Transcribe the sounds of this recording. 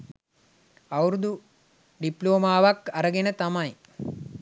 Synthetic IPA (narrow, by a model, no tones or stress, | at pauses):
ɐwɾud̪u | ɖiploːmaːʋɐkːɐɾəɡenət̪ɐmɐj